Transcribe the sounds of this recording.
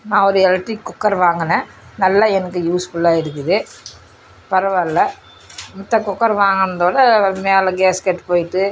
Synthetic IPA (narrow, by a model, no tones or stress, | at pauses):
nãːɔɾɯɛlʈɾikːʊkːɐɾʋaːŋɡɐnɐ̃ | nɐlːaɛnɐkːɯjuːsfʊlːaːɪɾɯk̬ːɯðɯ | pɐɾɐʋɐɪlːɐ | mʊt̪ːɐkʊkːɐɾʋaːŋɡɐnd̪oːɽɐmeːlɐɡeːskɛʈːpoːjɪʈːɯ